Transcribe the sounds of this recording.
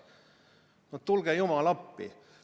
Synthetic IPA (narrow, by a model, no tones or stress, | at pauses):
not̪t̪ːulɡ̥ejumɑlɑpːḭ